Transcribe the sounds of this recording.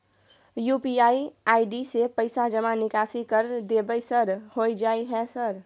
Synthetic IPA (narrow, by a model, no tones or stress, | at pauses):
juːpiaːiaːɪɖisepəɪsad͡ʒəmanɪkasikəɾd̪ebəsəɾhoid͡ʒaːiɦɛ̃səɾ